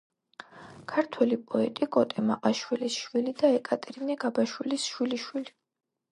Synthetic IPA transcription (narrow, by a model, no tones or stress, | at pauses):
kʰaɾt̪ʰwɛlipʼɔɛt̪ʼikʼɔt̪ʼɛmaqʼaʃwilisʃwilid̪aɛkʼat̪ʼɛɾinɛɡabaʃwilisʃwiliʃwili